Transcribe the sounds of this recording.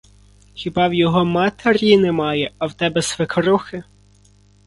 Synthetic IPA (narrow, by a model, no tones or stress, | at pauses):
xʲɪbɑwjɔɦɔmɑt̪ʰerʲjinɛmɑjɛɐwt̪ɛbɛsʋekɾuxɪ